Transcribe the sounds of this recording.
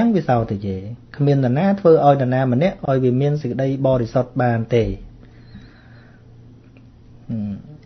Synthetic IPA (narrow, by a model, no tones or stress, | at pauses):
əŋʋisaɔt̪ːeːjeːkʰmiənːɛ̆naːt̪ʰʋəːʔaɔjnɛ̆naːmə̆nɛ̆əʔʔːaɔjʋiəmiənsəc̚kə̆ɗəjɓɑːɾisot̪̚ɓaːnt̪eː